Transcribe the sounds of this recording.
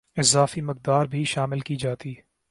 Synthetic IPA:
ɪzaːfimɪk̚d̪aːɾbʱiʃaːmɪlkid͡ʒaːt̪iː

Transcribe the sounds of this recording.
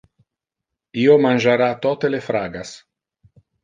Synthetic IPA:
iomanʒaɾat̪ɔt̪elefɾaːɡas

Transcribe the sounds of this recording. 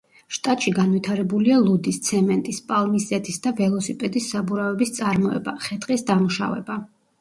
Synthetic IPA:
ʃt̪ʼat̪ʼʃiɡanvit̪ʰaɾɛbulialˠud̪ist̪sʰɛmɛnt̪ʼispʼalˠmisɛt̪ʰisd̪avɛlˠɔsipʼɛd̪isːabuɾavɛbist̪sʼaɾmɔɛ̰baχɛt̪ʼqʼisd̪amuʃa̰vɛ̰ba

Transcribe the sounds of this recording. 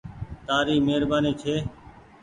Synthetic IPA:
t̪aːɾiːmeːɾbaːniːt͡ʃʰeː

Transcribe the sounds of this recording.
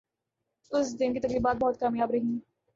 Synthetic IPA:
ʊsd̪ɪnkit̪ɐkɾiːbaːt̪̚bɔɦːt̪̚kaːmjaːbɾɐɦĩː

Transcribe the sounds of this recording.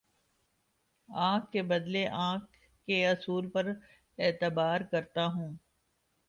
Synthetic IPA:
ãːkːebɐd̪leʔãːkː | eɐsuːlpɐɾ | eːt̪ɪbaːɾkɐɾt̪aɦũː

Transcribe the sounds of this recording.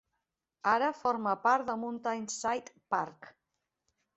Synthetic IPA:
aɾəfɔɾməpaɾt̪d̪əmunt̪ajnsajt̪paɾk

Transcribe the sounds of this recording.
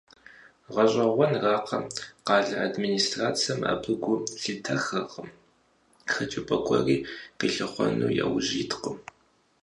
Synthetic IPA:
ʁɐɕʼɐʁʷɔnraːqʰɐqɑːɮɐʔadminiːstraːt͡sʰijɐma̰bɨɡʷʊɬɨtʰɐxɐʁəm | xɐtʼupʰʼɐkʷʰʼɔriːqəɬɨχʷɔ̰nṵːjɛ̰wʑiːtqʷəm

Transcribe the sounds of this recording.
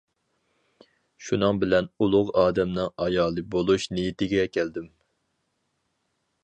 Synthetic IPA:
ʃunɨŋbɪlɛnulˠʊʁɑːd̪ɛmnɨŋɑjɑːlˠɨbolˠuʃnijit̪ɪɡʲɛkʲʰɛld̪ɪm

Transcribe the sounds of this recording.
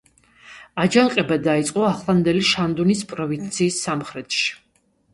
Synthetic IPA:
ad͡ʒaŋqʼɛbad̪ait̪sʼqʼɔaχlˠand̪ɛliʃand̪unispʼɾɔvint̪sʰiːsːamχɾɛt̪ʼʃi̥

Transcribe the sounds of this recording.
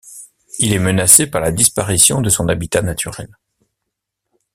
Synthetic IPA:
ilɛmənasepaʁlad̪ispaʁisjɔ̃d̪əsɔ̃nabit̪anat̪ʰyʁɛ̰l

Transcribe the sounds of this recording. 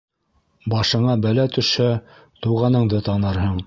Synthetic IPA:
bɑʃɤ̆ɴɑbælæt̪ɵ̆ʃæ | t̪uʁɑnɤ̆ɴd̪ɤt̪ɑnɤɾɦɤɴ

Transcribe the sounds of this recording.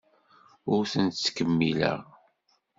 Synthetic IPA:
ʊɾθənt̪t͡sːkəmːilə̰ʁ

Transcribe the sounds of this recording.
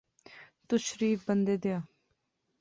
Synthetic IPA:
t̪ʊʃɾiːfbənd̪eːd̪ejaː

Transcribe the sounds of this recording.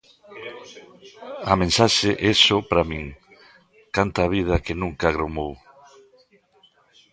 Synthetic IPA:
ɐmẽnsaʃeʔɛsopɾamĩŋ | kant̪aβið̞ɐkenũŋkaɣɾomow

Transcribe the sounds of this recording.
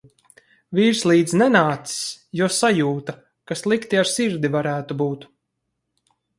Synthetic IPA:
viːɾslˠiːd̪znɛnaːt̪ssjuɔsajuːt̪a | kaslˠikt̪iaɾsiɾd̪ivaɾæːt̪ubuːt̪

